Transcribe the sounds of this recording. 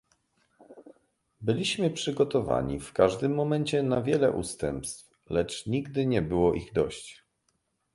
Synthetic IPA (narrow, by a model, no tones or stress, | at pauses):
bɘlʲiɕmɘpʂɘɡɔt̪ɔva̰ɲḭfkaʐd̪ɘmːɔmɛɲt͡ɕɛnavʲjɛlɛ̰ʔust̪ɛmpst̪f | lɛt͡ʂɲiɡd̪ɘɲɛbɘwɔʔiɣd̪ɔɕt͡ɕ